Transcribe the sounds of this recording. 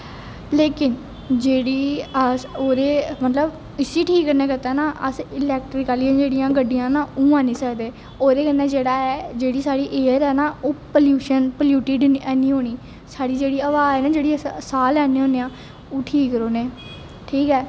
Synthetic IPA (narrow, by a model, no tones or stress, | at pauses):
leːkɪn | d͡ʒeːɽiː | oːɾeːmət̪ləb | ɪsiːʈʰiːkːəɾnɛːkɪt̪ɛːnaːʔəsɪlɛːk̚ʈɾɪkaːlijãːd͡ʒeːɽɪjãːɡəɖːɪjãːnaːũːãːnĩːsəkd̪eː | oːɾeːkənːɛːd͡ʒeːɽaːɛːd͡ʒeːɽiːsaːɽiːʔeːɾɛːnaːoːpəljuːʃənpəljuːʈiːɖɛːnĩːɦoːɽ̃iː | saːɽiːd͡ʒeːɽiːəʋaːɛːnaːd͡ʒeːɽiːəsaːlɛːneːɦoːneːãː | oːʈʰiːkɾoːneː | ʈʰiːkɛː